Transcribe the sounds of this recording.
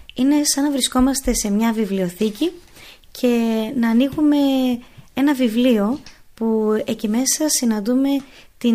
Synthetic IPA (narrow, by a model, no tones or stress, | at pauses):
ine̞sɐnɐvɾisko̞mɐst̪e̞se̞mɲɐvivlio̞θici | cʰe̞nɐːniɣume̞e̞nɐvivlio̞puecime̞sɐsinɐnd̪ume̞t̪i